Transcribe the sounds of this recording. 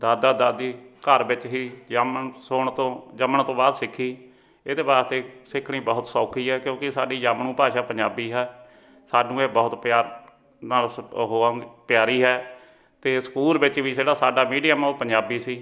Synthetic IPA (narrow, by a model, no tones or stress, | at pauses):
d̪aːd̪aːd̪aːd̪iːkəɾbɪt͡ʃɦiːd͡ʒmsoːɳt̪õːd͡ʒəməɳt̪õːbaːd̪sɪkʰːiː | ed̪eːbaːɾst̪eːsɪkʰːɳ̃iːbəɦʊt̪sɔːkʰiːɦɛːkjõːkɪsaːɖiːd͡ʒaːmɳũːpaːʃaːpəɲd͡ʒaːbiːɦɛː | saːɖũːeːbɔːʊt̪pɪjaːɾ | nalɦõːpjaːɾiːɦɛː | t̪eːsə̥kuːlbɪt͡ʃʋiːd͡ʒeːɽaːsaːɖaːmiːɖijaːmãopəɲd͡ʒaːbiːsiː